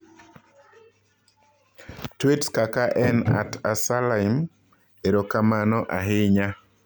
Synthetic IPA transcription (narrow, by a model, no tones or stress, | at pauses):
twetskakaʔɛna̰tʰasalaɪm | eɾokamanɔʔaɦɪɲa